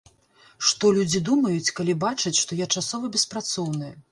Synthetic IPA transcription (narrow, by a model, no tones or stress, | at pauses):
ʂt̪ɔlʲud͡zʲid̪umɐjut͡sʲkalʲibat͡ʂɐt͡sʲʂt̪ɔjat͡ʂasɔvɐbʲɛspɾat̪sɔwnɨjɐ